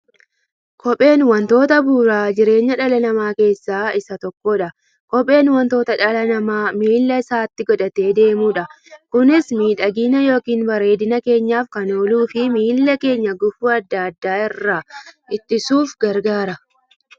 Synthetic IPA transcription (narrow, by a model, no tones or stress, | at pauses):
kʰɔpʼe̞ːnwɐnt̪o̞ːt̪ɐbuːɾaːd͡ʒɪɾe̞ːɲːɐᶑɐlɐnɐmaːke̞ːsːaːɪsɐt̪ɔkːɔᶑɐ | kɔpʼe̞ːnwɐnt̪o̞ːt̪ɐᶑɐlɐnɐmaːmiːlːɐɪsaːt̪ːɪɡɔᶑɐt̪e̞ːd̪e̞ːmuːᶑɐ | kʊnɪsmiːᶑɐɡiːnɐjo̞ːkiːnbɐɾe̞ːd̪ɪnɐke̞ːɲːaːfkɐno̞ːluːfɪmiːlːɐke̞ːɲːɐɡʊfuːɐd̪ːaːɐd̪ːaːɪrːɐʔɪt̪ːɪsuːfɡɐɾɡaːɾɐ